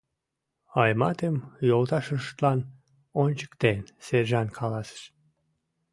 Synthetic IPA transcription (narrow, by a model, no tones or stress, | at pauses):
ɑjmɑt̪emjolˠt̪ɑʃəʃt̪lɑn | ont͡ɕə̥kt̪enseɾʒɑnkʰɑlɑsə̥ʃ